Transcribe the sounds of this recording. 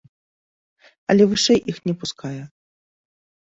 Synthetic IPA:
ɐ̰lʲɛvɨʂɛjʔixnʲɛpuskʰajɛ

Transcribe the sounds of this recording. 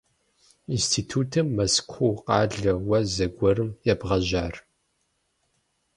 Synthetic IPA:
instʰiːtʰuːtʰɨmːɐskʷʰowqʼɑːɮɐwɐzɐɡʷɔɾɨmjɛbʁɐʑaːr

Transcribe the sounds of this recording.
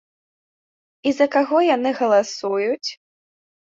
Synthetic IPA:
izɐkaɣɔjanɨɣɐlˠasujut͡sʲ

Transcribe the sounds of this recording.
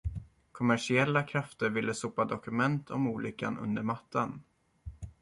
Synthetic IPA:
kʰɔmæʂɪɛlːakʰɾaft̪əɾvɪlːəsupːad̪ɔkɵmɛnt̪ʰɔmuːlʔʏkːa̰nɵ̰nd̪əɾmat̪ʰːan

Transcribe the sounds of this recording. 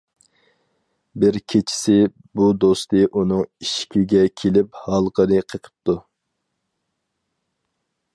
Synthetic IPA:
bɪɾkʲʰet͡ʃʰɪ̥sɪ | bud̪ost̪ɨʔunɨŋiʃkʲiɡʲɛkʲʰelɪphɑlˠqəɾɨqʰəqʰə̥p̚t̪u

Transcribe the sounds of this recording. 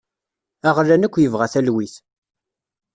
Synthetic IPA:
æʁlːænəkʷːjəvʁæθælwiθ

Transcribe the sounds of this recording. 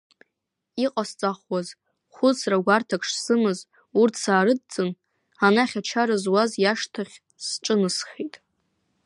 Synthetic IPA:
iqʼast͡sʼaχwaz | χʷʊt͡sʰraɡʷartʰakʰʂsɨmɨz | urtʰsaːɾɨd̚d͡zʼɨn | anaχʲat͡ʃʰaɾɨzwazjaʂtʰaχʲ | sʈ͡ʂʼɨnɨsχʲetʼ

